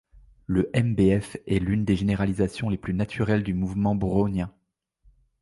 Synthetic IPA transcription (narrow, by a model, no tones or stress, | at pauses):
ləʔɛmbeɛfɛlynd̪eʒeneʁalizasjɔ̃leplynat̪ʰyʁɛld̪ymuvmɑ̃bʁonjɛ̃